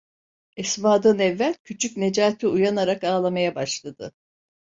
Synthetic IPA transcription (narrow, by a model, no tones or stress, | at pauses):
ɛsmaːd̪anɛvːælʲcʰyt͡ʃʰycne̞d͡ʒaːt̪ʰiujanaɾakaːlˠamajabaʃlˠad̪ɯ